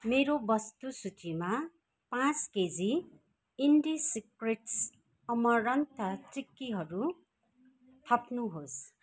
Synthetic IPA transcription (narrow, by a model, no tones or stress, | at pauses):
meɾobʌst̪usut͡sima | pãt͡sked͡zi | iɳɖisikreʈs | ʌmʌɾʌnt̪ʰʌt͡sikːiɦʌɾu | t̪ʰʌpnuɦos